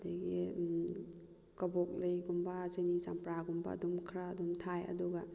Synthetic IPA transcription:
daɡi | kɐbɔk̚lejɡumbasenisampɾaɡumba̰ːdumkʰɾaːdumtʰajɐ̰duɡa

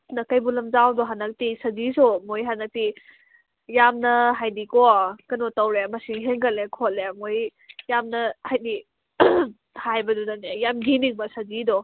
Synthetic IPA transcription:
nɐkɐjbulɐmzawdɔɦanɐk̚tisɐzisɔmojɦanɐk̚ti | jamnɐɦajdikɔkɐnɔtɐwɾemɐsiŋɦeŋɡɐlekʰɔl̚emojjamnɐhajdi | hajbɐdudanejamɡiniŋmɐsɐzidɔ

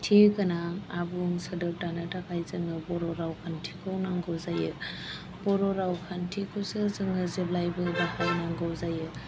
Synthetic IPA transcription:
tʰikɯnaːbuŋsɯdɯɾ̚tanɯtakʰajzɯŋɯbɔɾɔɾawkʰantʰi̥kʰɯwnaŋɡɔwzajɯ | bɔɾɔɾawkʰantʰikʰɯwsɯzɯŋɯzeblajbɯdahawnaŋɡɔwzajɯ

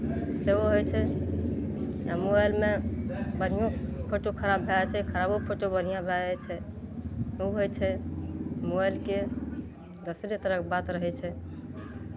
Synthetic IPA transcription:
seoɦojt͡ʃʰɛ | a̰moajlmebən̤ijõpʰoʈokʰəɾabbʱeɛt͡ʃʰɛkʰəɾabopʰoʈobəɽ̤ijãbʱɛɛt͡ʃʰɛ | uɦojt͡ʃʰɛ | mojlke | d̪əsɾet̪əɾəkbat̪ɾəɦɛt͡ʃʰɛ

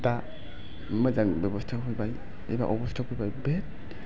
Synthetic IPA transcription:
ta | mazaŋbebɔstʰaɦujbaj | ḛba̰ʔɔbɔstʰakujbajbet̚

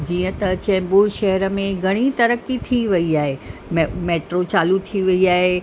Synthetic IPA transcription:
d͡ʑiːə̃t̪ɐt͡ɕɛ̃ːmbuːlʃɐɦəɾə̆mẽɡʱɐɽ̃it̪ɐɾəkit̪ʰiʋɐiaːɦemmeːʈɾot͡ɕaːlut̪ʰiʋɐiaːɦe

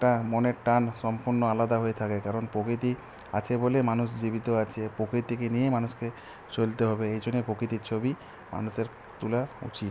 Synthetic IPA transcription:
ɛʈamoneɾʈanʃɔmpuɾnoalad̪aɦoet̪ʰakekaɾonpɾokɾit̪̬i | a̰t͡ɕʰebolemanuʃd͡ʑibit̪oat͡ɕʰepokɾit̪ikenijemanuske | t͡ɕolt̪eɦɔbeejd͡ʑonːepɾokɾit̪̬iɾt͡ɕʰobi | ma̰nuʃeɾ | t̪ulaṵt͡ɕit̪

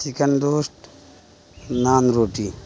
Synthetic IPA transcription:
sikəɳɖ̪oːsʈ | naːnɾoːʈi

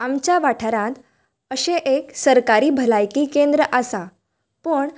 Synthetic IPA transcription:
amt͡ɕaʋaʈʰaɾãt̪ | əɕẽʔeksəɾkaɾiːbʱəlajkiːkẽnd̪ɾəʔəsa | pəɳ

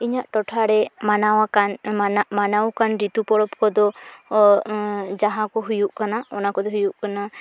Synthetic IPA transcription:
iɲaʔʈɔʈʰaɽɛmanawakananaʔmanawkanɾit̪upɔɽɔpkɔd̪ɔ | d͡ʒaɦãkɔɦujuʔkanaɔnakɔd̪ɔɦujuʔkana

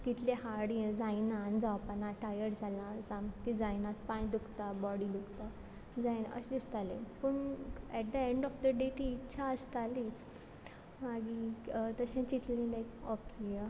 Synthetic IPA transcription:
kit̪leɦaɽiẽd͡zajnand͡zawpanãʈajəʈd͡zʱalãd͡zãmkid͡zajnat̪̚pãj̃d̪ukt̪abɔɽid̪ukt̪a | d͡zajnə̰ɕd̪ist̪alẽpəɳɛʈ̚d̪əẽɳɖɔfd̪əɖet̪iːtːɕʰaəst̪alit͡s | maɡit̪əɕɛ̃t͡ɕit̪lẽlajkɔkʰe

